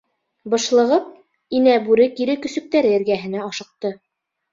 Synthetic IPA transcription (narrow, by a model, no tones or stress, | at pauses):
bɤ̆ʃlˠɤ̆ʁɤp̚ | inæbʉɾɘkiɾɘkɵ̆sɵ̆k̚t̪æɾɘɘ̆ɾɡæɦɘ̆næɑʃɤ̆q̚t̪ɤ